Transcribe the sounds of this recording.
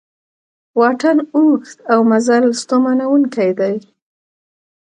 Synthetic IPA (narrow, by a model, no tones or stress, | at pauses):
wɑʈanuxt̪awmazalst̪omanawuŋkajd̪aj